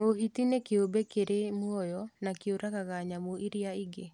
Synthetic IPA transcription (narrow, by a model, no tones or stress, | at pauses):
ohitinekeobekeɾemwɔjɔnakeoɾakaɣaɲamoʔiɾiaiɡe